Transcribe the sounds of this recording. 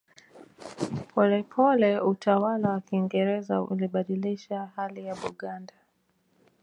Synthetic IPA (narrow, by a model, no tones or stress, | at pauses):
pʰɔlɛpʰɔlɛutawalawakiːŋɡɛɾɛza̰ṵliɓaɗiliʃahalijaɓuɠanda